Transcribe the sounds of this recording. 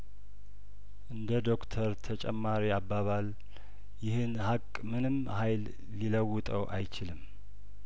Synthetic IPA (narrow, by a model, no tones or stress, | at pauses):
ʔɨnd̪əd̪o̞kt̪ʰəɾt̪ʰət͡ʃʼɛ̰mːaɾiabːaβal | jɪhɨnhakʼmɨnɨm | hajlː | iləwːʊt̪ʼəwʔa̰jt͡ʃɪlɨmː